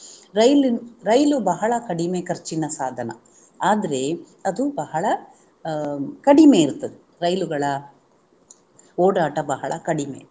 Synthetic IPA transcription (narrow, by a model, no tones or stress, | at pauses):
ɾɐjliɾɐjlubɐɦɐɭɐkɐɽimeːkɐɾt͡ʃinɐsaːd̪ʱɐnɐ̰ | aːd̪ɐɾe̞ | ɐd̪ubɐɦɐɭɐ | kɐɽime̞ːiɾt̪ɐd̪e | ɾɐjluɡɐɭɐ | oːɽaːʈɐbɐɦɐɭɐkɐɽimḛː